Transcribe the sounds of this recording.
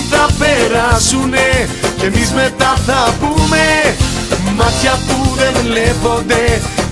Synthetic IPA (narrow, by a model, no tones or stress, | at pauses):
θapeɾasunekemizmet̪aθapume | maxjapuðenlepod̪e